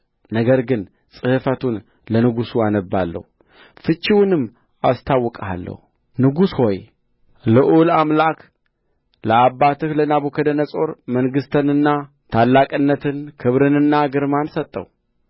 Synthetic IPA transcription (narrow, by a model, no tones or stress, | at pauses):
nəɡəɾɡɨn | t͡sʼɨhɨfət̪ʰun | lənɨɡusuanəbːa̰lːə̰hu | fɨt͡ʃʼːiwnɨmː | ast̪ʰawːɔkʼa̰lːə̰hu | nɨɡusho̞j | lɨʔulamlak | ləabːat̪ɨhlənaβokʰəd̪ənəsʼo̞ɾməŋɡɨst̪ʰənɨnːa | t̪ʰalːakʼɨnːət̪ʰɨnkʰɨβɾɨnɨnːaɡɨɾmansət̪ʼːə̰w